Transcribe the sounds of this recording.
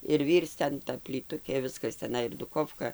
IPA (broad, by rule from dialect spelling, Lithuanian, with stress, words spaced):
ɪr ˈʋʲiːrt͡s ˈtʲɛn ˈtɐ pʲlʲiːˈtʊkʲeː ˈʋʲɪskɐs tʲɛˈnɐɪ ɪr dʊˈkoːfkɐ